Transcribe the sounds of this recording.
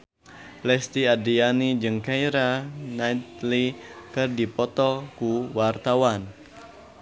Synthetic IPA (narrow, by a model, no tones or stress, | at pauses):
lɛst̪iadianid͡ʒəŋkajɾanajt̪̚likɨrdipɔt̪ɔkuwart̪awan